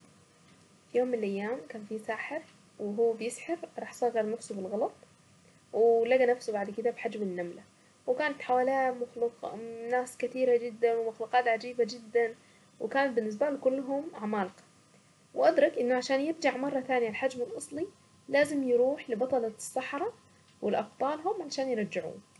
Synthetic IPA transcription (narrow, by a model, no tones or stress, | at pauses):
fijoːmːɪnɪlʔajːaːmkaːnfisaːħɪɾ | wɪɦuːbjɪsħɪɾɾˤɑːħsˤɑːɣɑɾˤnʊfsubɪlɣɑlɑt̪ˤ | wɪlaɡanafsubaʕd̪kɪd̪abħad͡ʒmɪnːamla | wɪkaːnat̪ħawaːlaːmʊxluqnaːskat̪iːɾad͡ʒɪd̪ːanwɪmaxluqɑːt̪ʕad͡ʒiːbad͡ʒɪd̪ːan | wɪkaːnat̪̚bɪnːɪs̬balkʊlːɦʊmʕamaːlqɑ̥ | wɪʔad̪ɾˤɑkʔɪnːʊʕaʃaːnjɪbd͡ʒaʕmɑrˤːɑt̪aːnijalħad͡ʒmɪlʔɑsˤli | laːzɪmjɾuːħlɪbɑt̪ˤɑlɑsˤːɑħɾˤɑ | wɪlʔɑb̚t̪ˤɑːlɦʊmʕaʃaːnjɪɾˤɑd͡ʒːɪʕṵː